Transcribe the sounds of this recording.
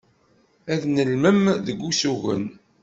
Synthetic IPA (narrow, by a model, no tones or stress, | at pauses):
æðnəlməmðəɡʷːusuʝə̰n